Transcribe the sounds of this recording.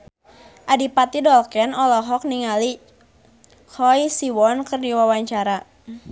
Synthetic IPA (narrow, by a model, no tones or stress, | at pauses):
ʔadipat̪idɔlkɛnɔlɔɦɔk̚niŋali | kʰɔjsiwɔnkərdiwawaɲt͡ʃaɾa